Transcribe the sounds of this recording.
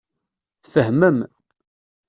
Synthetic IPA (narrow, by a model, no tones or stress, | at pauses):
θθəhməm